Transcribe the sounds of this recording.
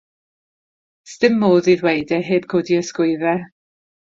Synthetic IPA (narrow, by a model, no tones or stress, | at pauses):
stɪmːoːðiːðwejdɛɦeːb̥̚kʰoːdiəskʊɨðɛ